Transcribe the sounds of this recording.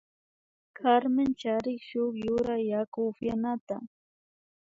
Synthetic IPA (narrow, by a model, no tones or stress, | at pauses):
kʰaɾmɪnt͡ʃaɾɪkʃʊχjʊɾajːakʊfjanat̪a̰